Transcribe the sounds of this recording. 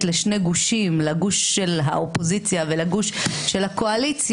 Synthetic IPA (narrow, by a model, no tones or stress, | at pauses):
tleʃne̞ɡuʃimlaɡuʃːelɦa̰ʔopozit͡sjavelaɡuʃʃelhakoalit͡sj